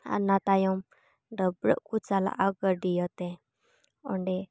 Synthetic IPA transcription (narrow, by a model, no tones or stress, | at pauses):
a̰nat̪ajɔm | ɖəbɾə̰ʔkut͡sala̰ʔaɡəɾɖijɔt̪ɛ | ɔɳɖɛ